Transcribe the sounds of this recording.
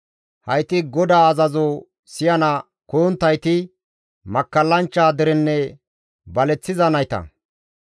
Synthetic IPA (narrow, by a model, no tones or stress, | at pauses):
hɐjt̪ɪɡɔd̪aːɐzɐzɔ | sɪjɐnɐ | koːnt̪ːɐjt̪ɪ | mɐkːɐlːɐnt͡ʃːaːd̪ɛɾɛnːɛ | bɐlɛt͡sːɪzɐnɐjt̪ɐ̰